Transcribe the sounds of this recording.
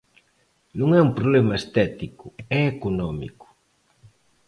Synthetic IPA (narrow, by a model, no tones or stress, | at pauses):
nũŋɛumpɾoβlɛmɐest̪ɛt̪ikʊɛekonɔmḭkʊ̥